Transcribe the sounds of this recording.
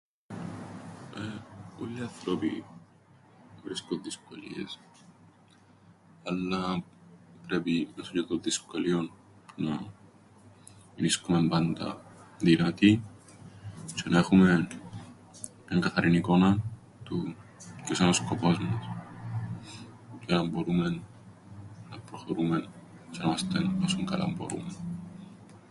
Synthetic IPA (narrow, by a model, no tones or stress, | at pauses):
eolːiɐθɾopḭ | vɾiskonðiskolḭḛs | ɐlːɐ | pɾepinɐsocet̪onðiskolion | punɐ | niskume̞mbɐnd̪ɐ̰ðinɐt̪i | t͡ʃenaexumen | eŋɡɐθɐɾinikonɐ | t̪ucosenoskopozmos | klɐmboɾumen | nɐpɾoxoɾumen | t͡ʃenɐmast̪enasuŋkɐ̰la̰mbo̰ɾṵmen